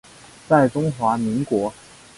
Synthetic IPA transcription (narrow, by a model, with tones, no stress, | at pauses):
t͡sa˥˩ɪʈ͡ʂʊ˥ŋxwa˧˥mi˧˥ŋkwɔ˧˥